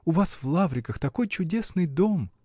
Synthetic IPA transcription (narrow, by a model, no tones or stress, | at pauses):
ʊvasvlˠavɾʲɪkəxt̪ɐko̞jt͡ɕʊdʲesnɨjd̪o̞m